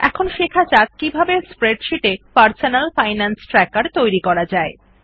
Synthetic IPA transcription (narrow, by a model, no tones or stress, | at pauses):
ɛ̰kʰonʃekʰat͡ɕak̚kibʱabespɾeɖʃiʈepaɾsonalfajnansʈɾɛkaɾt̪ojɾikɔɾad͡ʑae